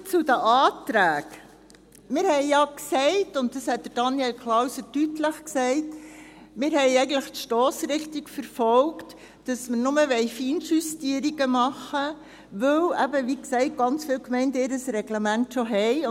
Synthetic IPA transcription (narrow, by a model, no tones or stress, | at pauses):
t͡sudəʔɑːtɾæːk | mɪːɾhɛɪjɑksɛɪtʊnt̚d̥ɑshɛt̚d̥əɾd̥ɑnjɛlkʰlawsətytləχksɛɪt | mɪːɾhɛɪɛɪɡən̩tləχtʃtɔːsɾɪχtikfəɾfɔlkt | d̥ɑsməɾnʊməʋɛɪfiːnsustiəɾiɡəmɑχə | ʋɵwʔæbəʋiksɛɪt̚ɡ̥ɑnt͡sfɪːlkmɛɪndəɪːɾəsɾɛɡləmæntʃɔɦɛɪ